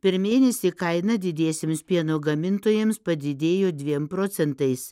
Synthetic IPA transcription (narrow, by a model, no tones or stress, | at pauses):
pʲɛɾmʲeːnʲɛsʲiːkɐɪnɐd̪ʲɪd̪ʲeːsʲɪmspʲiɛnoːɡɐmʲɪnt̪oːjɛmspɐd̪ʲɪd̪ʲeːjoːd̪ʲʋʲiɛmpɾoːt̪sʲɛnt̪ɐɪs